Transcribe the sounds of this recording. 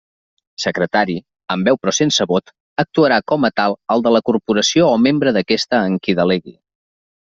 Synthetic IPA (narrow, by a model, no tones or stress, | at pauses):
səkɾət̪aɾi | əmbɛwpɾɔsensəβot̪ | ək̚t̪uəɾakɔmət̪alˠəlˠd̪ələkurpuɾəsioːmembɾəðəkɛst̪əːŋkiðəleɣḭ